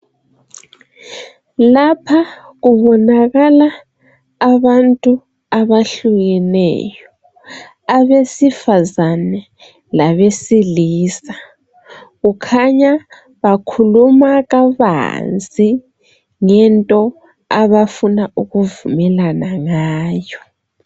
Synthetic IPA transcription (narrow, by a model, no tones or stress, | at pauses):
lapʰa | ɣuβɔnaɣalaː | βantʼu | aβaɬuɣɛnɛ̰ːjɔ | aβesifazanɛ | laβesiliːsa | ɣukʰaɲa | βakʰulumaɣaβa̰nd͡zʱʼi | ŋɛntʼɔ | aβafunauɣuvumɛlanaŋaːjɔ